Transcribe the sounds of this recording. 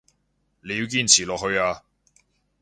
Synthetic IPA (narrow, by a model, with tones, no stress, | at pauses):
le˨˧ji˧wk̬iː˧nt͡sʰiː˨˩lɔː˨k̚ɦɵ˧ɥaː˧